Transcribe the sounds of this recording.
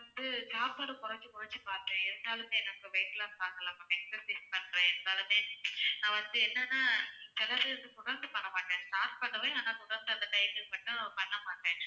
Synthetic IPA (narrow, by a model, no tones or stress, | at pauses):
ɐnd̪ɯt͡ʃaːɾpɐːɾɯkʊɾɐt͡ʃɯkʊɾɐt͡ʃːɯpaːɾt̪ẽɪɾɯnd̪aːlɯmẽːɛnɐkːɯʋɐjʈːɐlãːsaːŋɡɐlãːpːɐmɛksɐsispɐɳːɾẽːɛnd̪aːlɯmeːnãːʋɐnd̪ɯɛnːɐnːaːsɛlɐɾɯnd̪ɯkʊɽɐɾnd̪ɯpɐɳːɐmaːʈẽːsʈaːɾʈ̚pɐɳɖɐpɐːjaːnaːt̪ʊɽɐɾnd̪ɐnd̪ɐʈɐɪmɯpɐʈːʊ̃pɐɳːɐmaːʈːẽː